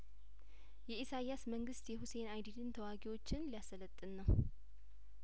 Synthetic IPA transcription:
jɛisajasməŋɡɨst̪jɛhuse̞najd̪idɨnt̪ʰəwaɡiwo̞t͡ʃːɪnlijasələt̪ʼːɨnːəw

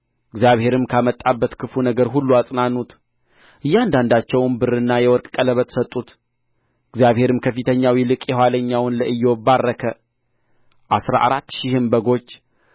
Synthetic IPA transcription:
ɪɡzjaβhe̞ɾɨmkʰamət̪ʼːabːət̪kʰɨfunəɡəɾɦulːuasʼnanːut̪ | ʔɨjːand̪and̪at͡ʃːɛwnbɨrɨnːajɛwɔɾkʼkʼələβət̪sət̪ʼːut̪ | ɨɡzjaβhe̞ɾɨmkʰəfɨt̪ʰəɲːawilɨkʼjɛhwaləɲːawnləʔɨjːobarːəkʰə | ʔasɾa̰ʔaɾat̪ːʃɪhɨmbəɡo̞t͡ʃː

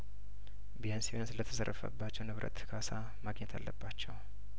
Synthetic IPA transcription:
bijansiwonsɨlət̪ʰə̥sərːəfə̰bːat͡ʃːɛwnɨβɾʔə̰t̪kʰasa | maɡɲɛt̪ʰalːəbːat͡ʃːɛw

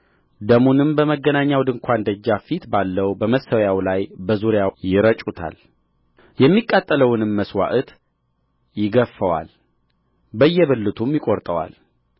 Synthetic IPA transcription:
d̪əmunɨmbəməɡːənaɲːawd̪ɨŋkʰʷand̪əd͡ʒːafit̪balːəwbəməsəwjawlajbəzuɾɪjajɪɾət͡ʃʼut̪ʰa̰l | jɛmːikʼːat̪ʼːələwɨnɨmːəswa̰ʔt̪ | jɪɡəfːəwa̰l | bəjːɛbɨlːɨt̪ʰumjɪkʼoɾt̪ʼəwa̰l

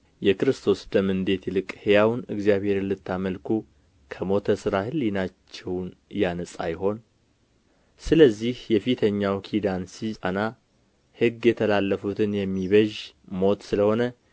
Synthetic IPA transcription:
jɛkɨɾɨst̪ʰo̞sd̪əmɨnd̪e̞t̪lɨkʼhejawnɨɡzijaβhe̞ɾlɨt̪ʰːaməlkʰu | kʰəmo̞t̪ʰəsɨɾahɨlːinat͡ʃːɛwnjanəsʼa̰jɦo̞n | sɨləzːihjɛfit̪ʰəɲːawkʰid̪ansiəna | hɨɡjɛt̪ʰəlalːəfut̪ʰɨnjɛmːiβəʒ | mo̞t̪sɨləho̞nə

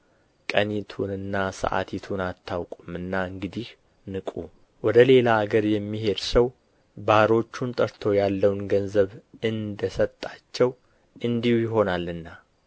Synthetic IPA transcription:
kʼənit̪ʰunɨnːasə̰ʔa̰t̪ʰit̪ʰunat̪ʰːawkʼumɨnːaɨŋɡɨd̪ih | nɨkʼu | wɔd̪əle̞laːɡəɾjɛmːihe̞d̪səw | baɾo̞t͡ʃːunt̪ʼəɾt̪ʰo̞jalːəwnɡənzəβɨnd̪əsət̪ʼːat͡ʃːɛw | ɨnd̪ihujɪɦo̞nalːɨnːa

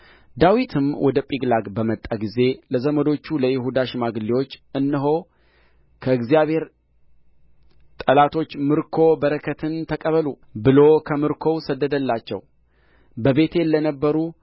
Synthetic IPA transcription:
d̪awit̪ʰɨmwɔd̪əpʼiɡlaɡbəmət̪ʼːaɡize̞ləzəməd̪o̞t͡ʃːuləjɪɦud̪aʃɪmaɡliwo̞t͡ʃːɨnːɨɦo̞ | kʰəɨɡzijaβhe̞ɾ | t̪ʼəlat̪ʰo̞t͡ʃːmɨɾkʰo̞bəɾəkʰət̪ʰɨnt̪ʰəkʼəβəlu | bɨlo̞kʰəmɨɾkʰo̞wsəd̪ːəd̪əlːat͡ʃːɛ̰w | bəβe̞t̪ʰelːənəbːəɾu

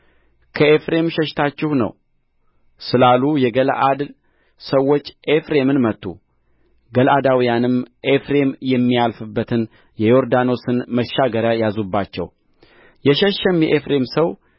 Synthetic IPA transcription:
kʰəe̞fɾe̞mʃɛʃt̪ʰat͡ʃːɪhnə̰w | sɨlalujɛɡəlʔad̪ | səwːo̞t͡ʃːʔefɾe̞mɨnmət̪ːṵ | ɡəlʔad̪awijanɨmʔe̞fɾe̞mjɛmːialfɨbːət̪ʰɨn | jɛjo̞ɾd̪ano̞sɨnməʃːaɡəɾajazubːat͡ʃːɛ̰w | jɛʃɛʃːɛmjɛʔefɾe̞msəw

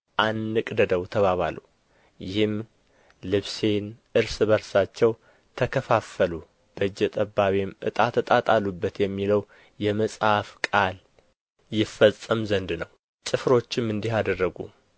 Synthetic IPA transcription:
ʔanːɨkʼd̪əd̪əwt̪ʰəβaβa̰lṵ | jɪhɨm | lɨβse̞nʔɨɾsβəɾsat͡ʃːɛw | t̪ʰəkʰəfafəlu | b̥əd͡ʒːɛt̪ʼəbːaβimʔɨ̰t̪ʼat̪ʰːət̪ʼat̪ʼalːubːət̪jɛmːiləw | jɛməsʼhafkʼal | jɪfːəsʼəmzənd̪nəw | t͡ʃʼɨfɾo̞t͡ʃːɪmɨnd̪iɦad̪ərːəɡṵ

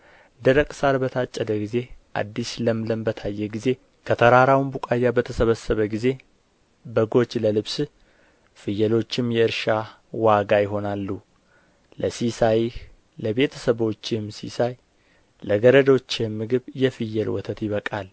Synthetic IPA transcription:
nd̪əɾəkʼsaɾbət̪ʰat͡ʃʼːəd̪əɡize̞ʔa̰d̪ːisləmləmbət̪ʰajːɛɡize̞ | kʰət̪ʰəɾaɾawmbukʼajːabət̪ʰəsəβəsːəβəɡize̞ | bəɡo̞t͡ʃːləlɨβs | fɨjːɛlo̞t͡ʃːɪmjɛɨɾʃa | waɡajɪɦo̞nalːu | ləsisaj | ləβe̞t̪ʰəsəβo̞t͡ʃːɪmːsḭsaj | ləɡəɾəd̪o̞t͡ʃːjɛmːɨɡɨβjɛfɨjːɛlwɔ̰t̪ʰət̪jɪβəkʼal

